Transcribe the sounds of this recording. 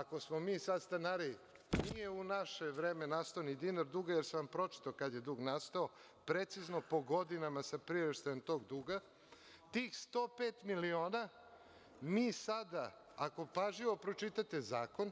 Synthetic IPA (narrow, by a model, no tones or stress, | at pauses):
ako̞smomiːsad̪st̪anaɾi | nije̞unaʃeʋɾeːmenast̪aonid̪inaɾd̪uːɡajeɾseʋampɾo̞t͡ʃi̥t̪aokad̪jed̪uːɡnast̪ao | pɾet̪sizno̞po̞ɡo̞d̪inamasapɾiɾeʃt̪ajemt̪o̞ːɡd̪uːɡa | t̪iːxst̪o̞ːpeːt̪milio̞ːna | miːsad̪a | ako̞paʒʎiʋo̞pɾo̞t͡ʃit̪at̪ezaːko̞n